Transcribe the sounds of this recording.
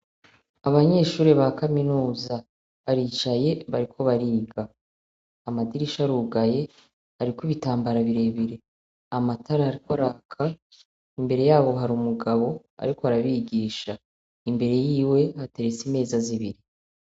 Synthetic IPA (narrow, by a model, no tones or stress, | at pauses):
aβaɲe̞ʃuːɾeβakaminuːza | βaɾiːt͡ʃaje̞βaɾikʰo̞βaɾiːɡaː | madiɾiʃaɾuɡaje̞ | haɾikwiβitaːmbaɾaβiɾe̞βiɾe̞ | amataɾahaɾikoɾakʰa | imbe̞ɾe̞jaːβo̞ɦaɾuːmuɡaβo̞ | a̰ɾiko̞haɾaβiɡiːʃa | imbe̞ɾe̞jiːwe̞ate̞ɾet͡sime̞ːzaziβiɾi